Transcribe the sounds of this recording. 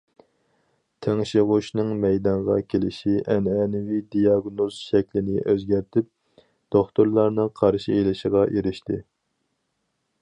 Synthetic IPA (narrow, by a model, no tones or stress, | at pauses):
t̪ʰeŋʃiʁʊʃnɨŋmɛjd̪ɑɴʁɑkʲʰelɪʃiʔɛnɛnɪwid̪ijɑɡnoz̥ʃɛkʲlɪnɪʔøzɡʲæɾt̪ʰɪp̚ | d̪̥oχt̪uɾlˠɑɾnɨqʰɑɾʃielɪʃəʁɑʔeɾɪʃt̪ɪ